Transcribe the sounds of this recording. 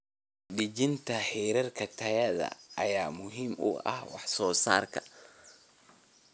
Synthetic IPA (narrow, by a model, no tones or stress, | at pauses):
ɗɪd͡ʒɪnt̪ʰɐħɛːɾɐrkʰɐt̪ʰɐjɐðɐ̰ɐ̰jaːmʊɦiːmʊ̰ʔɐ̰hwɑħsɔːsaːrkʰɐ̥